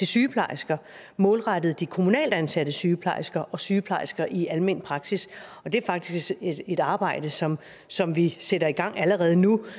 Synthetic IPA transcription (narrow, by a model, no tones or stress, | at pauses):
d̥isyːpʰlɑ̈ɪsɡ̥ɐ | mɔ̽ːlʁɑɾ̥ð̞̩ˠd̥ikʰo̝munɛ̰ːld̥ænsæd̥əsyːpʰlɑ̈ɪsɡ̥ɐʔɒ̽syːpʰlɑ̈ɪsɡ̥ɐʔiʔælme̝n̰pʰʁɑ̈ɡ̥sisɒ̽d̥e̝ɐfɑ̈ɡ̥̚d̥isɡeɾ̥ɑ̈ːb̥ɑ̈ɪ̰d̥əsɒ̽m | sɒ̽mʋiseɾɐiɡ̥ɑ̈ŋ̰æləʁɛːð̞̩ˠənu